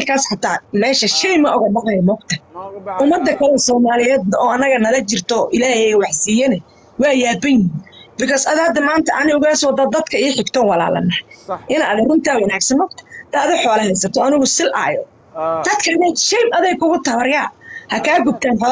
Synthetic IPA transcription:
lkʰaːsħɑt̪ʰaːmɛːʃɐʃɛjmɐʔʊɣɐɖɑqɑjmɔkt̪ʰɐʔʊmɐd̪ːɐkʰɐlɛsɔːmaːlɪjɛːd̪nɐʔɔːɐnːɐɣɐnɐlɐt͡ʃɪrt̪ʰɔʔɪlaːhɛwɑħsiːjɐnɛ | wɑːjaːbɛjnibɪkʰɔːsɐðaːd̪ɐmaːnt̪ʰɐʔɐnɪʊɣaːswɐd̪ɐd̪ɐd̪kʰɐɪħɪɡt̪ʰɔːwɑla̰ːlɐ̰nɐhʔɪnaːðɛrʊnt̪ʰawɐnaːɡsɐnmɔːk̚t̪ʰɐ̥t̪ɛːðʊħɔːlɐhɛjsɐt̪ʰɔɐnɪɣʊsɪlʔa̰ːjɔ̰ | d̪̥ɐd̪kʰɐːðɛjʃɛjmɐðɛjkʰʊɣʊt̪ɐwɐrjaːhɐkʰaːɡʊb̚t̪ʰaːnħɔ

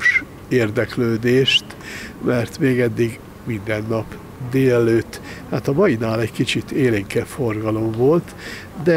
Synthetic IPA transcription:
ʃ | eːrd̪ɛkløːd̪eːʃt̪mɛrt̪meːɡɛd̪ːiɡ | mind̪ɛnːɒp | d̪eːlɛløːt̪ːhaːt̪ɒmɒjinaːlɛɟkit͡ʃit̪ʰeːliŋkɛfforɡɒlo̞mvo̞lt̪ | d̪ɛ

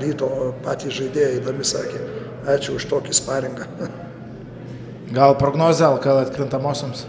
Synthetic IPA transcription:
ɾʲiːt̪oːpɑːt̪ʲiːsʒɐɪd̪ʲeːjɛɪd̪ɐmʲɪsɑːkʲeː | ɑːt͡ʃʲʊʊʃt̪oːkʲɪspɑːɾʲɪŋɡɐ | ɡɐlˠpɾoːɡnoːzʲɐlˠkɐlˠɐt̪ʲkɾʲɪnt̪ɐmoːsʲoːms

